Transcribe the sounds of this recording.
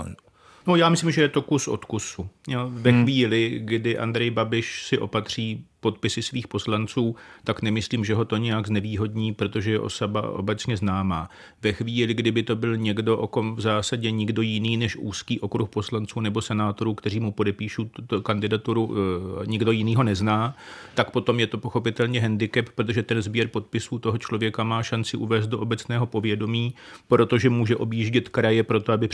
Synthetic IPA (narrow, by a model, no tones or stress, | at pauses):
no̞jaːmɪsliːmʒɛjɛt̪o̞kusʔo̞̰t̪kusujovɛxviːlɪɡdɪʔa̰nd̪ɾɛjbabɪʃsɪʔo̞pat̪r̝̥iːpo̞t̪̚pɪsɪsviːxpo̞slant͡suːt̪aknɛmɪsliːmʒɛɦo̞t̪o̞ɲɛjaɡznɛviːɦo̞dɲiːpɾo̞t̪o̞ʒɛjɛʔo̞̰soba̰ʔo̞̰bɛt͡sɲɛznaːmaː | vɛxviːlɪɡdɪbɪt̪o̞bɪlɲɛɡdo̞ʔo̞ko̞mvzaːsaɟɛɲɪɡdo̞jɪniːnɛʃʔuːskiːʔo̞kɾuxpo̞slant͡suːnɛbo̞sɛnaːt̪o̞ɾuːkt̪ɛr̝iːmupo̞dɛpiːʃuːt̪ut̪okandɪdat̪uɾuɲɪɡdo̞jɪniːɦo̞nɛznaːt̪ak̚po̞t̪o̞mjɛt̪o̞po̞xo̞pɪt̪ɛlɲɛɦɛndɪkɛppːɾot̪o̞ʒɛt̪ɛnzbjɛɾpo̞t̪̚pɪsuːt̪o̞ɦo̞t͡ʃlo̞vjɛkamaːʃant͡sɪʔuvɛːst̪̚doʔobɛt͡snɛːɦo̞po̞vjɛdo̞miːpɾo̞t̪o̞ʒɛmuːʒɛʔo̞bjiʒɟɪt̪kɾajɛpɾo̞t̪o̞abɪ